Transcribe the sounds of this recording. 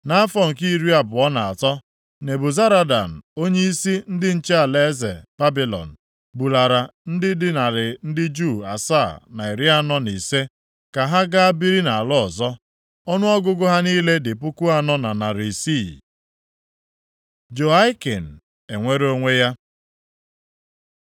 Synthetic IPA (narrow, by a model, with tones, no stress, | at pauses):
na˦a˦fɔ˦ŋ̩˨ki˦i˦ɾi˦a˨bʊ˨ɔ˦na˨a˨tɔ˦ | ne˨bʊ˨za˦ɾa˦da̰˨m̩˨o˦ɲe˦i˦si˦n̩˦dɪ˦n̩˦t͡ʃe˦a˨le˦ze˨b̥a˦bi˨lɔ̰˨n̩˨ | bu˨la˨ɾa˨n̩˦dɪ˦dɪ˦na˨ɾɪ˨n̩˦dɪ˦d͡ʒu˦˨a̰˨sa˦˨na˨i˨ɾi˦a˦nɔ˦ni˨se˦ | ka˨ɦa˦ɡa˦a˦bi˦ɾi˦na˨a˨lɔ˦ɔ˨zɔ˦ | ɔ˦nʊ˦ɔ˦ɡʊ˦ɡʊ˦ɦa˦niː˦le˦dɪ˨pʊ˦kʊ˦a˦nɔ˦na˨na˨ɾi˨si˦˨ | d͡ʒo˨a˦ɪ˦ke˨n̩˨ | e˨ŋʷe˦ɾo˦ŋʷe˦ja˦